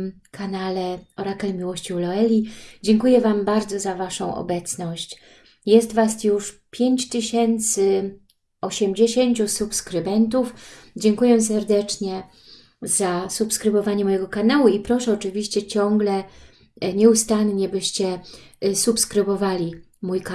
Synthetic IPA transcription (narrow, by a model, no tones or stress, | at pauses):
kʰanalɛɔɾakɛmʲiwɔɕt͡ɕiwlɔɛlʲid͡ʑɛŋkujɛvambaɾd̪zɔzavaʂɔ̰̃w̃ʔɔ̰bɛt̪snɔɕt͡ɕ | jɛst̪vasjuʂpʲjeɲt͡ɕt̪ɘɕɛnt̪sɘ | ɔɕɛmd͡ʑeɕeɲt͡ɕusupskɾɘbɛnt̪ufd͡ʑɛŋkujɛsɛɾd̪ɛt͡ʂɲɛ | zasupskɾɘbɔvaɲɛmɔjɛɡɔkanawuipɾɔʂɛɔt͡ʂɘvʲiɕt͡ɕɛt͡ɕɔŋɡlɛ | ɲɛust̪anɲɛbɘɕt͡ɕɛsupskɾɘbɔvalʲi | mujk